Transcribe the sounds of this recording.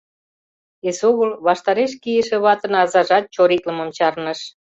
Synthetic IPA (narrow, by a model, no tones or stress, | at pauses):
esoɣəlβɑʃt̪ɑɾeʃ̬kijəʃĕβɑt̪ənɑzɑʒɑt̪̚t͡ɕoɾit̪ləməmt͡ɕɑrnəʃ